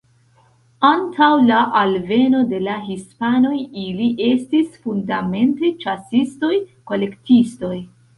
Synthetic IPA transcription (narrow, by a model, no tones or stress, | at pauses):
antʰawlaʔalve̞no̞de̞laɦispano̞jiliʔe̞stisfundame̞ntet͡ʃasisto̞jko̞le̞ktisto̞j